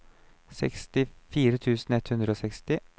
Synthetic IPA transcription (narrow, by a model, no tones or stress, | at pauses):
sɛ̰kst̪ɪfiːɾət̪ʰʉːsn̩ɛt̪hʉnd̪ɾəoːsɛkst̪ɪ